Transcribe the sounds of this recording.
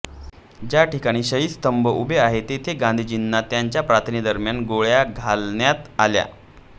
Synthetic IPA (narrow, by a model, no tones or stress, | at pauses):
d͡ʑjaʈikaɽ̃iːɕəɦiːst̪əmbəʔubʱeaɦet̪et̪ʰeɡand̪ʱiːd͡ʑinːat̪jaɲt͡ɕjapɾat̪ʰnid̪əɾmjanɡoɭjaɡʱalɳjat̪alja̰